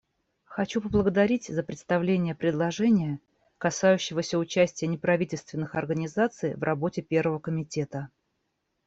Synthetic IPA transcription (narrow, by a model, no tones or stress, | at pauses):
xɐt͡ɕupəblˠəɡəd̪ɐɾʲitʲzəpɾʲɪt̪st̪ɐvlʲenʲɪjəpɾʲɪd̪lˠɐʐɛnʲɪjə | kɐsajʉɕːɪvəsʲəʊt͡ɕæsʲtʲɪjənʲɪpɾɐvʲitʲɪlʲst̪vʲɪnːɨxɐrɡənʲɪzat̪sɨjvrʔɐbo̞tʲɪpʲe̞rvəvəkəmʲɪtʲe̞t̪ə